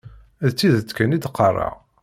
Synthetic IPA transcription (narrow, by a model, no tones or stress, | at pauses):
ðt͡sːiðət͡sːkænid̪qʰːɑrˤːɑ̰ʁ